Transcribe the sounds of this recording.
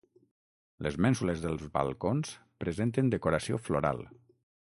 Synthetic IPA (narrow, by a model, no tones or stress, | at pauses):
ləzmɛnsuləzðəlˠzβa̰lˠkonspɾəzent̪ənd̪əkoɾəsio̰floɾa̰lˠ